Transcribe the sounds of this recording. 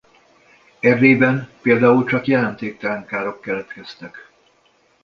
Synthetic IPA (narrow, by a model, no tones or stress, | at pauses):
ɛrːeːbɛnpeːld̪aːult͡ʃɒkjɛlɛnt̪eːk̚t̪ɛlɛŋkaːɾo̞kːɛlɛt̪kɛst̪ɛk